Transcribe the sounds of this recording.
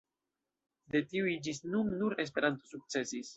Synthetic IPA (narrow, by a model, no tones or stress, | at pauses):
de̞tiuid͡ʒisnunːuɾe̞s̬pe̞ɾanto̞suk̚t͡se̞sis